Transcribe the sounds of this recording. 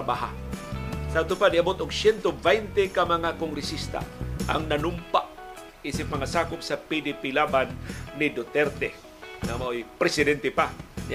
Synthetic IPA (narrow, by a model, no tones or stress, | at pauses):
baɦa̰ | saat̪ʊpanɪabot̪ʊɡsjɛnt̪ovɛjnt̪ɛkamɐŋakoŋɡɾɪsist̪a̰ʔa̰ŋnanʊmpaʔ | isɪp̚mɐŋasaːkʊp̚sapid̪ɪpilabanːɪd̪ot̪ɛɾt̪ɛ | namaʔojpɾɛsɪd̪ɛnt̪ɛpanɪ